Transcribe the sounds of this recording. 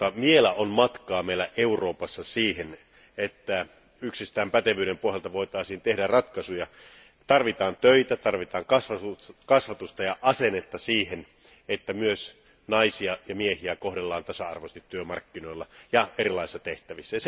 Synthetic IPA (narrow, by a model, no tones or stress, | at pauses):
ɑmielæʔonmɑt̪kɑːmeilæʔeuroːpɑsːɑsiːhen | et̪ːæ | yksist̪æːmpæt̪eʋyːɾempohjɑlt̪ɑʋoit̪ɑˑisiːnt̪ehdærɑt̪kɑsujɑ | t̪ɑrʋit̪ɑːnt̪øit̪æt̪ɑrʋit̪ɑːŋkɑsʋɑukɑsʋɑt̪ust̪ɑjɑʔɑsenet̪ːɑsiːhen | et̪ːæmyøs | nɑisiɑjɑmiehiækohɾelːɑːnt̪ɑsɑɑ̰rʋost̪it̪tːyømɑ̰rkːinoilːɑjɑerilˑɑˑisi̥sːɑt̪eht̪æʋisːæjɑse